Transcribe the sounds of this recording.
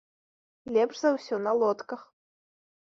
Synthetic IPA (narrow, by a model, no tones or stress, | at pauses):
lʲɛpʂzawsʲɔnɐlˠɔt̪kɐx